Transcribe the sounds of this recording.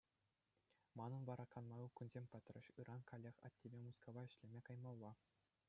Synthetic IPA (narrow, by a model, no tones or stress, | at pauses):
mɑnɤ̆nʋɑɾɑkɑnmɑjukʲunzʲemʲpʲɘ̆t̪rʲɘ̆ɕɯɾɑnkʰolʲːexʲɑ̰tʲːebʲemuskoʋɑɘ̆ɕlʲemʲekɑjmɑlˠːɑ